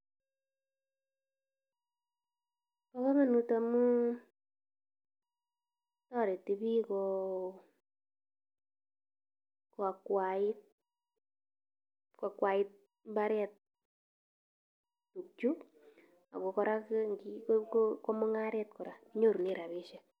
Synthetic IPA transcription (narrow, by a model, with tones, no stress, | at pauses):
pa˦βa˦ma˨nu˧tamu˦ | tɔ˦ɾe˨ti˧bi˦kɔ˧ | kwa˨kwa˨ɪt̚ | ka˨kwa˨ɪ˦t̚ | mba˦ɾɛ˦t̚ | tu˨k̚t͡ʃu˦ | a̰˨kɔ˨kɔ˦ɾa˦kŋɡikkoko˦mo˦ŋa˦ɾɛ˦t̚kɔ˨ɾa˨i˦ɲo˦ɾu˨ne˦ɾa˨βi˦ʃɛ˦